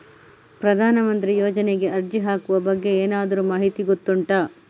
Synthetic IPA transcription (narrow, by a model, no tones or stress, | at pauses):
pɾɐd̪ʱaːnɐmɐnt̪ɾijoːd͡ʒɐneɡe̞ʔɐɾd͡ʒiɦaːkuʋɐbɐɡːe̞eːnaːd̪ɐɾumaːɦit̪iɡot̪ːuɳʈɐː